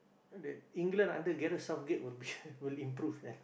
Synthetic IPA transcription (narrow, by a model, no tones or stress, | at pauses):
dɛtĩŋɡlə̃nã̰ndəɡɛɾəsafɡɛʔ̚wilbiwilĩmpɾufdɛ̃n